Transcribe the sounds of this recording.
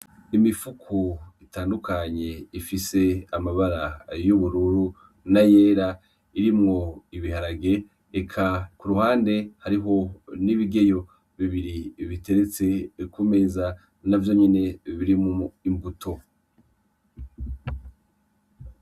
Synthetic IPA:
imifukʰuitaːndukaɲe̞ifise̞amaβaɾajuβuɾuɾu | najeːɾa | iɾimŋo̞iβihaɾaɡe̞ | ekʰakuɾuhaːnde̞haɾiɦo̞niβiɡe̞jo̞ | βiβiɾiβite̞ɾet͡se̞kume̞ːza | navjo̞ɲene̞βiɾimooimbutʰo̞

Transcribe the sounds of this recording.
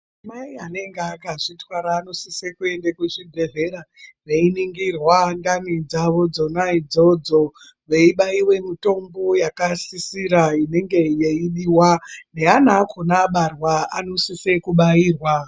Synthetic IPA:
amaiane̞ŋɡeakːʐitwaɾaːno̞sisekue̞ndekuʐidʱe̞vʱe̞ɾaʋeiniŋɡirwandanid͡zaʋo̞d͡zo̞naid͡zo̞d͡zo̞ | ʋe̞iɓaiwe̞mito̞mbo̞jakasisiɾaine̞ŋɡe̞jeiɗiwaneanakʰonaɓarwaano̞sisekuɓaiːrwa

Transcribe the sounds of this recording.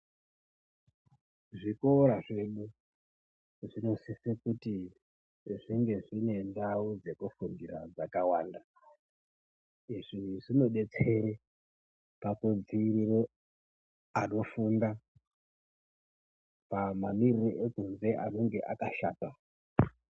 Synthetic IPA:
ʐikoɾaʐe̞ɗu | ʐino̞sisekuti | ʐiŋɡe̞ʐine̞ndaud͡ze̞kufundira̰d͡zakawaːnda | iʐiʐino̞ɗe̞t͡se̞ɾe | pakud͡ziːɾiro | ano̞funda | pamamiriroʔekunze̞ʔano̞ŋɡe̞ʔakaʃa̰ːta

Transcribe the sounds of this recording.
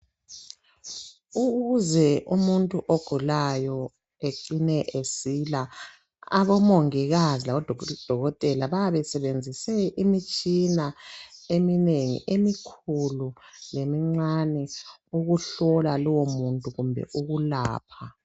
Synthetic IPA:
uɣuzɛumuntʼuʔoɡ̥ʱulajɔ | eǀinɛʔesila | a̰βɔmoŋiɣazilaβɔdʱd̥ʱɔɣɔtʼɛlaβaaβɛsɛβend͡zʱisɛʔimit͡ʃʼinaemineŋḭʔemikʰululemiŋ͡ǀanɛuɣuɬɔlalɔwomuntʼuɣumbʱɛ̰ʔuɣulaːpʰa

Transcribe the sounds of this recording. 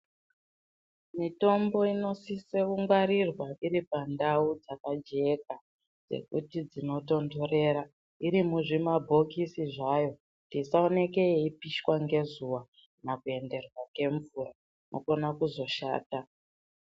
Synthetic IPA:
mito̞mbo̞ino̞siseuŋɡwaɾirwaʔiɾipandaud͡zakad͡ʒe̞k̚a | d͡ze̞̰kṵtid͡zino̞to̞ndoɾe̞ːɾa | iɾimuʐimabʱo̞kisiʐajo̞ | tisaone̞ke̞eipiʃwaŋɡe̞zuwa | nakue̞nde̞rwake̞ɱvuːra | nʔo̰ko̞nakuzo̞ʃa̰ːta

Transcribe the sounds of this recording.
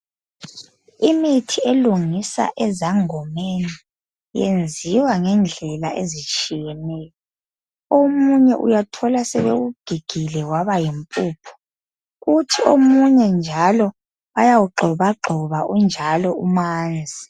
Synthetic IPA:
imitʰieluŋisa̰ʔɛzaŋɔmeni | jḛnd͡zʱiwaŋɛnd͡ɮʱɛlaʔezit͡ʃʼijɛmɛːjɔ | omuɲɛʔṵjatʰɔlasɛβḛɣuɡ̥ʱiɡ̥ʱilɛwaβajimpʼuːpʰɔ̥ | ɣutʰiomuɲɛnd͡ʒʱalɔ | βajawuɡ͡ǃʱɔβaɡ͡ǃʱɔβaund͡ʒʱalɔumaːnd͡zʱi

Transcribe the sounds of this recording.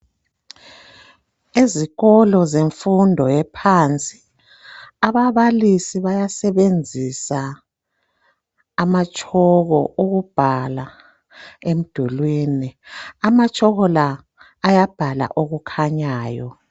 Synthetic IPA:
eziɣɔlɔzeɱfundʱɔjɛpʰant͡sʼi | aβaβalisiβajasɛβend͡zʱisa | mat͡ʃʼɔɣɔʔuɣub̥ʱala | em̩d̥ʱulwiːniamat͡ʃʼɔɣɔlaː | jab̥ʱala̰ʔoɣukʰaɲaːjɔ̰

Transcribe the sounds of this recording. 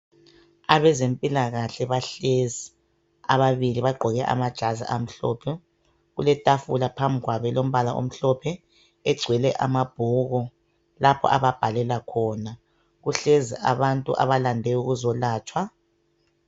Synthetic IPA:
aβɛzempʼilaɣaɬɛβaɬezi | a̰βaβiliβaɡ͡ǃʱɔɣɛʔa̰mad̥ʒ̥ʱazḭʔam̩ɬɔpʰɛ | ɣulɛtʼafulapʰambʱiɣwaβɛlom̩βalaʔo̰m̩ɬɔpʰɛ | ɛɡ͡ǀʱwɛlɛʔa̰mab̥̚ʱuɣɔ | lapʰɔ̰ʔaβab̥ʱalɛlakʰɔːna | ɣuɬeziʔa̰βantʼṵʔa̰βalandʱɛuɣuzɔlaːt͡ʃʼwa

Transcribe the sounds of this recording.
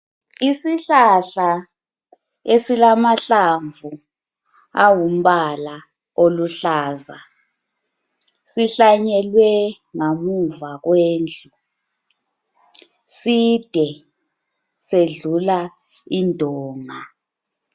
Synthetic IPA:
isiɬaɬa | esilamaɬaɱvʱu | awum̩βala | oluɬaːza | siɬaɲɛlwɛ | ŋamuvaɣweːnd͡ɮʱʼu | sid̥ʱɛ | seɮula | indʱɔːŋa

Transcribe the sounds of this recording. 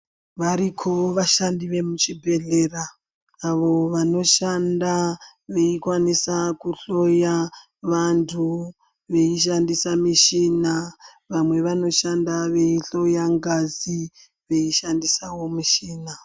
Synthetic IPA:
ʋaɾikʰoʋaʃandiʋe̞mut͡ʃibʱe̞ɮe̞ːraː | ʋo̞ʋano̞ʃanda | ʋe̞ikwanisakuɬo̞ja | ʋantʰu | ʋe̞iʃandisamiʃina | ʋamwe̞ʋano̞ʃandaʋe̞iɬo̞jaŋɡazi | ʋe̞iʃandisawo̞miʃiːna

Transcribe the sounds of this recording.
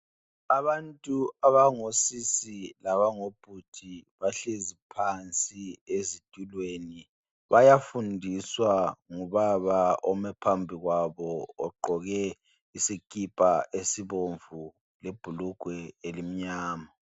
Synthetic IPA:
aβantʼuaβaŋosisilaβaŋob̥ʱutʰiβaɬezipʰant͡sʼiezid̥ʼʱulweni | βajafundʱiswaŋuβaβaɔmɛpʰambʱiɣwaβɔ̰ːɡ͡ǃʱɔɣɛ | isikʼipʼaʔesiβoɱvu | leb̥ʱuluɡ̥ʱwɛelim̩ɲaːma

